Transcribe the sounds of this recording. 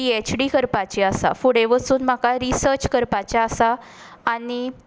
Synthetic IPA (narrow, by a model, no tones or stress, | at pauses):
iet͡ɕɖikəɾpat͡ɕeəsa̰fuɽeʋəsuːnm̤akaɾisəɾt͡ɕkəɾpat͡ɕaəsaː | ni